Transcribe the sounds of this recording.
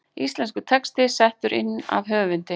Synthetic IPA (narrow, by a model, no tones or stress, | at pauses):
ist̪lɛnskʏt̪ʰɛkst̪ɪsɛht̪ʏɾʔɪ̰nːa̰vɦœːvɪnt̪ɪ